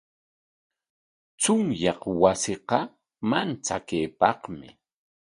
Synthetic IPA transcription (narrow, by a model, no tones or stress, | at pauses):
t͡sʊŋjɑχwasɪqɑ | mant͡sakejpɑqmɪ̰